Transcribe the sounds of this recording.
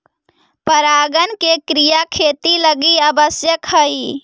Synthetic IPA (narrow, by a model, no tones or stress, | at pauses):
pəɾaɡənkekɾijakʰet̪iləɡiəbəsjəkɦəi